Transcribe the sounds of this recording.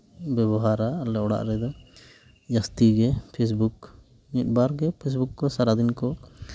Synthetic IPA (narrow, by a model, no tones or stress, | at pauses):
bɛbɔɦaɾaːlɛɔɽa̰ʔɾɛd̪ɔ | d͡ʒast̪iɡɛpʰes̬buk | nit̪̚baɾɡɛpʰes̬bukːɔsaɾad̪inkɔ